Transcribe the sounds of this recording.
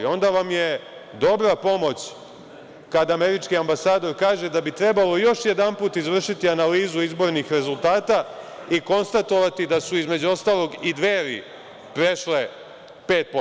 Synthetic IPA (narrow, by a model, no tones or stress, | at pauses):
o̞nd̪aʋamje̞ | d̪o̞bɾapo̞mo̞t͡ɕ | kad̪aːme̞ɾit͡ʃkiambasaːd̪o̞ɾkaːʒe̞d̪abit̪ɾe̞balo̞jo̞ʃjed̪anpuːt̪izʋr̩ʃit̪ianaliːzuizbo̞ɾnixɾe̞zulˠt̪aːt̪aiko̞nst̪at̪o̞ʋat̪id̪asuizme̞d͡ʑuo̞st̪aːlˠo̞ɡid̪ʋeːɾḭ | pɾe̞ʃle | pe̞ːt̪̚po